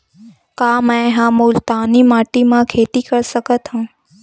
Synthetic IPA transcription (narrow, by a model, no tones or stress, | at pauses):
kaːmɛ̃ɦãːmuːlt̪aːnimaːʈimãkʰeːt̪ikɐɾsəkət̪ɦũː